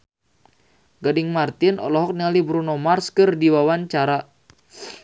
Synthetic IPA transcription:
ɡɔdɪŋmart̪ɪnɔ̰lɔɦɔk̚nialibɾunomarskɨrdiwawant͡ʃaɾa

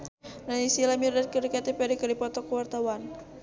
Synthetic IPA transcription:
nanisilamirdat̪̚kəɾikat̪epɛɾikədipɔt̪ɔkəwart̪awan

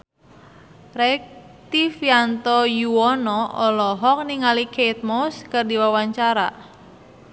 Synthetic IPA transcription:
rɛk̚ | t̪ifjant̪ɔjuwɔnɔʔɔlɔɦɔk̚niŋalikʰejt̪̚moskərdiwawaɲt͡ʃaɾa̰

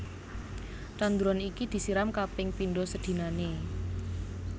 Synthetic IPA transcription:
t͡ʃand̪uɾɔnikid̪̥i̤siɾamkapɪŋpinɖɔsəd̪̥i̤nane

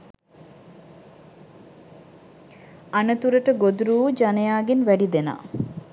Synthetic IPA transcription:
anət̪uɾəʈəɡod̪uɾuːd͡ʒanejaːɡenʋæɖid̪ena̰ː

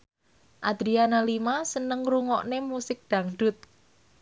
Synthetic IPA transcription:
ʔad̪̥ɾianalimasənəŋɾuŋɔ̰ʔnemusɪk̚d̪̥ä̤ŋɖʊt̪̚

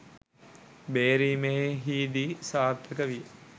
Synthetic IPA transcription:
beːɾiːmeɦeɦiːd̪isaːɾd̪ʰəkəʋiə

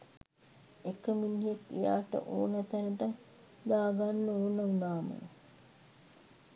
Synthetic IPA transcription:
ekːəminɦekːḭja̰ːʈə̰ʔo̰ːnət̪ænəʈə | d̪aːɡanːuoːnəunaːmə̰n

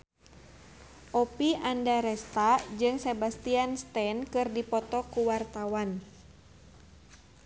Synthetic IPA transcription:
ʔɔpiʔandaɾɛst̪ad͡ʒɨŋsebast̪ianst̪ɛnkɨrdipɔt̪ɔkuwart̪awan

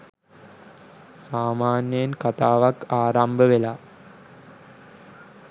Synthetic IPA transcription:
saːmaːnjəjnkat̪aːʋakaːɾambəʋela

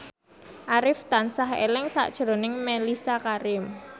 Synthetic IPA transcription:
ʔaɾɪft̪ansaɦḛlɪŋsa̰ʔd̥ʒ̥ɾonɪŋmɛlisakaɾɪm

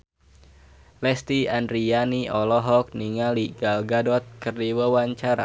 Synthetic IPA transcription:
lɛst̪iandɾianiɔlɔɦɔk̚niŋaliɡalɡadɔt̪̚kərdiwəwaɲt͡ʃaɾa̰

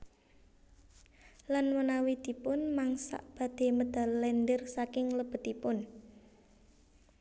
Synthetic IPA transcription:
lanwənawid̪̥i̤pʊnmaŋsa̰ʔb̥ä̤d̪̥e̤məd̪̥a̤llɛnd̪ərsakɪŋləb̥ə̤d̪ipʊn

